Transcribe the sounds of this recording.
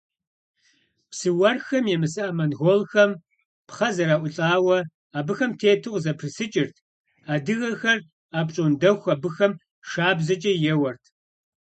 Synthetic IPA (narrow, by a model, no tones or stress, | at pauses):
psɨwɐrxɐmjɛmɨsɨʔɐmɐnɣolxɐm | pχɐzɐɾaːʔʷʊɬʼaːwɐ | aːbɨxɐmtʰeːtʰɨʁzɐpʰrɨsɨt͡ʃʼɪrtʰ | aːdɨɣɐxɐr | aːpɕʼondɐxʷabɨxɐm | ʂaːbzɐt͡ʃʼɐjɛwɐrtʰ